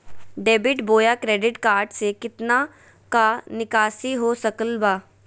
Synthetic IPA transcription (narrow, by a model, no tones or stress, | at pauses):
ɖeːbɪʈboːjaːkɾeːɖɪʈkaːɾʈsekɪt̪na | kanɪkaːsiɦoːsəkəlbaː